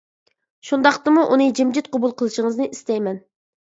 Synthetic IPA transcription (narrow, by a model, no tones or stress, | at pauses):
ʃund̪ɑχqt̪ɨmuʔunɨd͡ʒɪmd͡ʒɪt̪̚qʰɑbulˠqʰəlˠɨʃəŋəznɨʔist̪ɛjmɛn